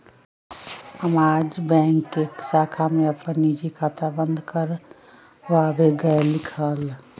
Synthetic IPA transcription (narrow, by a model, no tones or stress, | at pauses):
əmaːd͡ʒbɛ̃ːŋkːeksaːkʰameɐpənid͡ʒikʰaːt̪ʰabə̃nd̪kəɾ | ʋaabeɡəlɪkʰəl